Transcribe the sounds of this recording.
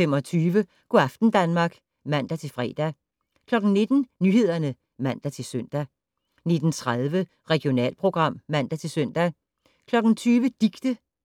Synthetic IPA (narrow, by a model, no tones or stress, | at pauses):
femɒt͡sʰyːʋə | ɡ̥oɑfd̥n̩d̥ænmɑ̈ːɡ̥ | mæn̰d̥æt͡sʰe̝lfʁɛ̰ːd̥æ | kʰlɒ̽ɡ̥n̩ne̝d̥n̩nyːhe̝ð̞̰ˠɐnə | mæn̰d̥æt͡sʰe̝lsøn̰d̥æ | ne̝d̥n̩t͡sʰʁaðˠʋə | ʁɛɡ̥jo̝nɛ̰ːlpʰʁo̝ɡ̥ʁɑ̈m̰mæn̰d̥æt͡sʰe̝lsøn̰d̥æ | kʰlɒ̽ɡ̥n̩t͡sʰyːʋəd̥iɡ̥d̥ə